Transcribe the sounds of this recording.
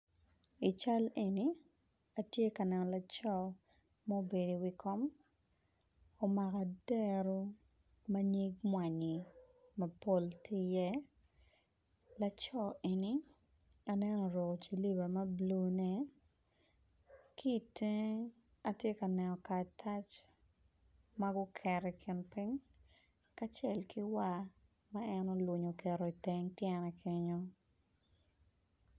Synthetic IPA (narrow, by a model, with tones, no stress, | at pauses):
i˨t͡ʃa˦le˨ni˨˦ | a˨tje˦ka˨nɛ˨nɔ˨la˨t͡ʃɔ˦˨ | mɔ˦be˨di˨wi˨kʰɔ˦m | o˨ma˨ka˨dɛ˦ɾo˦ | ma˦ɲe˦ɡmwa˨ɲi˨ | mɐ˨po˦ltʰi˦jɛ˦ | la˨t͡ʃɔ˦e˨ni˦ | a˦nɛ˦nɔ˨ɾɔ˨t͡ʃi˨li˦ba˨mɐ˦blu˦nɛ˦ | kʰi˦˨te˦ | a˨tje˦ka˨nɛ˨nɔ˨ka˨tʰa˦t͡ʃ | ma˦ɡʊ˦kʰɛɾɛkʰɪ˨npɪ˦ŋ | ka˦t͡ʃɛ˦lki˦wa˦ | ma˦ɛ˦no˦lwʊ˨ɲo˨kɛ˨ɾɔ˨i˨tɛ˦ŋtjɛ˦nɛ˨kʰɪ˦ɲo˦